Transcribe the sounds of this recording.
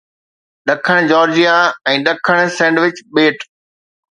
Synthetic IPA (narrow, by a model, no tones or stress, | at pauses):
ɗɐkʰəɽ̃d͡ʑɔːɾd͡ʑijaɛ̃ːɗɐkʰəɽ̃sɛ̃ːɳɖʋɪt͡ɕɓeːʈ